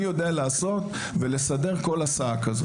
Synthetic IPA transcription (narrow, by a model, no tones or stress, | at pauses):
jo̞d̪ealaːso̞t̪ | ve̞le̞sade̞ʁko̞lasaakazo